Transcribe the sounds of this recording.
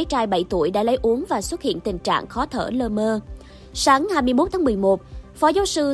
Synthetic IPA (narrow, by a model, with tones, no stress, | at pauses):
t͡ɕaː˧jɓə˧˩jt̪u˧˩əjɗa̰ː˧˥lə˨˦jʔu˨˦əŋvaː˨˩swə˦˥t̚hḭ˧˨ənt̪ï˨˩ŋt͡ɕa̰ː˧˨ŋxɔ˨˦t̪ʰə̰ː˧˩ləː˧məː˧ | saː˨˦ŋhaː˧jmɨ˧jmo˦˥t̚t̪ʰa˨˦mɨ˨˩əjmo˨˩t̚fɔ˨˦zaː˨˦wsɨ˧